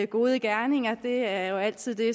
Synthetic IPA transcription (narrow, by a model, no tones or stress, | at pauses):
ɡ̥o̝ːð̞ˠəɡ̥æɐne̝ŋ̰ɐd̥e̝æɐjo̝æl̰t͡sʰið̞̰ˠd̥e̝